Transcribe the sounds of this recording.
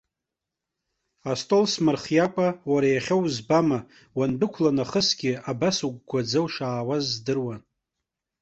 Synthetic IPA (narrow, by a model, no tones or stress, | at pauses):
astʼo̞lsmɨrχjakʷʼawaɾajaχʲowzbama | wanbɨkʷʰlanaχəsɡʲɪabasuɡʷɡʷad͡zowʂaːwazːdɨrwan